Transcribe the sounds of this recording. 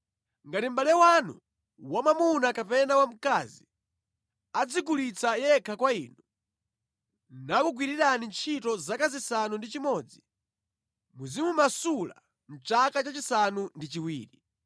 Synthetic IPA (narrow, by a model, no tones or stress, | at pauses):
ŋɡatim̩balɛwanṵ | wamamunakapɛnawam̩kazi | ad͡zikulit͡sʰajɛkʰakwaiːnu | nakuɡ̬wiɾiɾanint͡ʃʰitɔzakazisanundit͡ʃimɔd͡zi | muzimumasula̰ | n̩t͡ʃakat͡ʃat͡ʃisanundit͡ʃiwiːɾi